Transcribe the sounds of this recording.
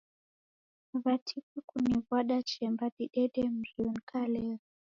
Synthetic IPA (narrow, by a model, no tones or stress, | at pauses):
βatʰikwɛkuniβwaɗat͡ʃɛmbaɗiɗɛɗɛm̩zunkʰalera